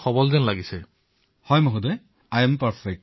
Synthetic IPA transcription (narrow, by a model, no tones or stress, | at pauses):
xɔbɔlzɛnlaɡisɛ | hɔjmoɦudɔj | ajɛmpaɹfʰɛk̚t